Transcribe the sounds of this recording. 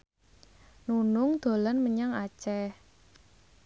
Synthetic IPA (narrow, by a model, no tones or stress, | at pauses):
nunʊŋd̪̥o̤lanməɲaŋat͡ʃɛ